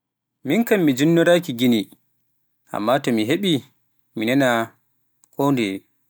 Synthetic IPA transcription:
miŋkamːid͡ʒinːɔɾaːkiɡini | ʔa̰mːaːtɔmiɦeɓi | minɛna | koːndɛ

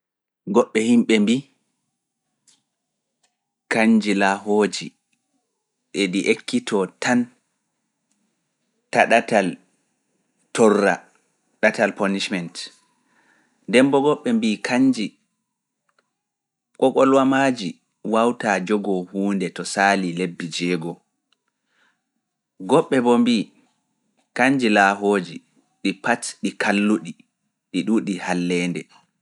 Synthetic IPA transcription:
ɡɔɓːɛhimɓɛmbi | kaɲd͡ʒilaɦoːd͡ʒi | ɗeɗiʔekːitʰɔtan | taɗatal | tɔrːa̰ | ɗatalpɔniʃmɛnt | dɛmbɔɡɔɓːɛmbikʰaɲd͡ʒi | kɔkɔlwamaːd͡ʒi | wawtad͡ʒɔɡɔhuːndɛtɔsaːlilebːid͡ʒɛɡɔ | ɡɔɓːɛbɔmbi | kaɲd͡ʒilaːɦoːd͡ʒi | ɗipatɗikʰalːuɗi | ɗiɗuɗihalːɛːndɛ

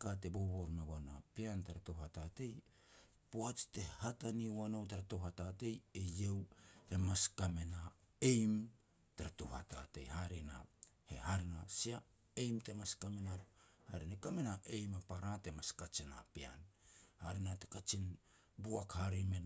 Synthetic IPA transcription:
kate̞boβoɾmawana̰piantaɾatohatate̞j | poat͡ʃte̞hataniwanowtaɾatohatate̞jejewe̞maskame̞na | e̞jm | taɾatohata̰te̞̰jhaɾena̰ | hḛhaɾenasia | e̞jmte̞maskamenahaɾenakame̞naʔe̞jmapaɾate̞maskat͡ʃina̰pia̰nhaɾenate̞̥kat͡ʃin | buakhaɾemen

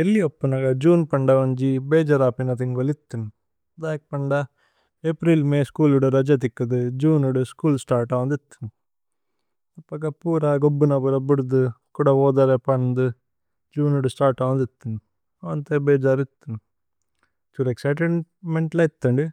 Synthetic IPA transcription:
elːiɐpːunɐɡɐd͡ʒuːnpɐɳɖɐʋɐɲd͡ʒibeːd͡ʒɐɾaːpinɐt̪iŋɡolit̪ːunu | d̪aːk̚pɐɳɖɐ | epɾiːlmeːskuːluɽɐɾɐd͡ʒɐt̪̬ikːɐd̪ud͡ʒuːnuɽuskuːlsʈaːɾʈaːʋɐnd̪it̪ːu̥n | ɐpːɐkɐpuːɾɐɡobːunɐbuɾɐbuɽud̪ukuːɽɐɔːd̪aːɾepɐnnd̪u | d͡ʒuːnuɽusʈaːɾʈaʋɐnd̪it̪ːunu | ɐɐnt̪ebeːd͡ʒaːɾit̪ːunu | t͡ʃuɾeksɐjʈ̬eɳmeɳʈlɐit̪ːɐɳɖi

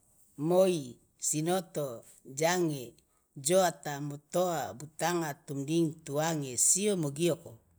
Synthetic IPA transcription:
moi | sinot̪o | d͡ʒaŋe | d͡ʒoat̪amot̪oabut̪aŋat̪umdiŋt̪uaŋesiomoɡioko

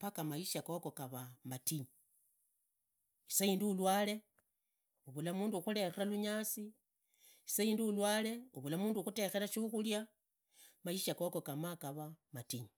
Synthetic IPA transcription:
pakamaiʃakokokaβamatiɲi | isaiːndiulwaːle̞ | uβulamuːnduxule̞xeraluɲaːsi | isaiːnduulwaːle̞uβulamuːnduxute̞xe̞laʃuxulja | maiʃakoko̞kamakaβamatiɲi

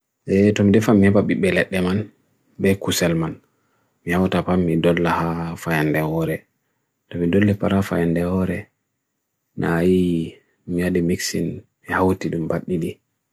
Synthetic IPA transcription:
ʔɛtɔmidɛfamihɛbaɓiɓɛlɛɗːɛman | bɛkusɛlman | mihawtapamːidɔlːahafajandɛhɔɾɛ | tɔmidɔlːɛpa̰ɾafajandɛhɔɾɛ | nʔa̰ji | mijaɗimiksinmihawtiɗumbaɗːiɗi

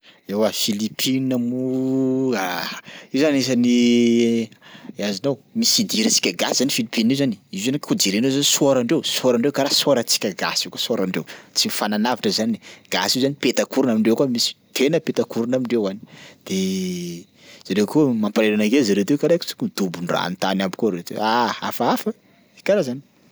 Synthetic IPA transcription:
ewafilipʰinamu | aezanies̬ani | azinawmisid̪iɾət͡si̥kʲəɡasizanifilipininezani̥izzanikʰud͡ʒiɾenezanisuoɾaɳɖ͡ʐewsoɾaɳɖ͡ʐewkaɾasoɾət͡si̥kʲəɡa̰sikasoɾaɳɖ͡ʐewt͡simifananavaʈ͡ʂəzaniɡ̥a̰siwzanipet̪akuɾunamiɳɖ͡ʐewkuamisi̥t̪ʰenəpet̪akuɾunamiɳɖ͡ʐewani̥d̪̥e | z̥aɾewkumampaɾelanaɡezaɾet̪ewkalaki̥t͡su̥kumid̪̥ubunra̰nt̪anabikuɾet̪ḛaafaafə | ekʲaɾazani̥

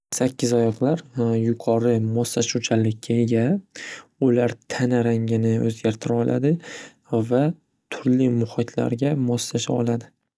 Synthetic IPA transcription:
sakʲʰːɪzɒjɒqlaɾjʊqʰɒɾɪmɒsːaʃut͡ʃʰalɪkʲːaeɡʲa | ʊlaɾt̪ʰanaɾaŋɡʲɪnɪɵ̰zɡʲaɾt̪ʰɪɾaɒlʔa̰d̪ɪ | va | t̪ʰʊɾlɪmʊhɨt̪ʰla̰ɾɡʲamɒsːaʃaɒ̰lad̪ɪ

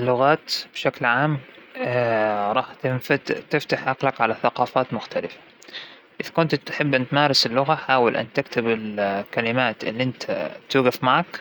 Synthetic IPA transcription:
ʔɪlːʊɣaːt̪b̥ʃaklʕaːm | ɾˤɑːħt̪ɪt̪ɪft̪aħʔaqlakʕalaθaqɑːfaːt̪mʊxt̪alɪfḁ | ʔɪðkʊnt̪t̪ħɪbːʔant̪maːɾˤɪsɪlːʊɣaħaːwɪlʔa̰nt̪ɪkt̪ɪbɪlkalɪmaːt̪ʔɪ̰lːiʔɪnt̪ʰa̰t̪uːɣafmaʕak

